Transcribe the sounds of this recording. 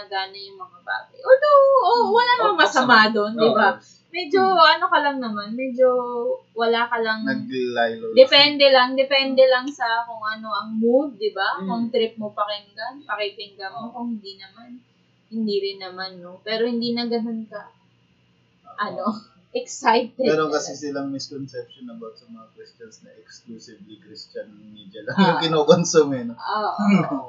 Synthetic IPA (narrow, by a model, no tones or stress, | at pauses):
ɐɡaːnɐjʊŋmɐŋɐba̰ːɡɐjʔod̪oʔowɐlaːnmomɐsɐmad̪o̞nd̪ɪba | mɛd͡ʒo̞ʔɐno̞kɐlɐŋnɐmanmɛd͡ʒo̞wɐlaːkɐlɐŋjdd̪ɛpɛnd̪ɛlɐŋd̪ɛpɛnd̪ɛlɐŋsɐkʊŋʔɐno̞ʔɐŋmud̪̚d̪ɪbakʊŋt̪ɾɪp̚mopɐkɪŋɡɐŋpɐkɛkɛŋɡɐmokʊŋhɪnd̪iːnɐman | hɪnd̪iːɾɪnːɐmanːopɛːɾo̞hɪnd̪iːnɐɡɐno̞nkɐ | oʔɐno̞ | ʔɛksajt̪ɛɛɾokɐsɛsɪlɐŋmɪskonsɛp̚ʃonɐbawt̪̚sɐmɐŋakɾɪst͡ʃɐnsnɐʔɛkskluːsɪvlikɾist͡ʃɐnŋmiːd͡ʒɐlɐŋjʊŋkɪnoːkonsumɛnooːʔ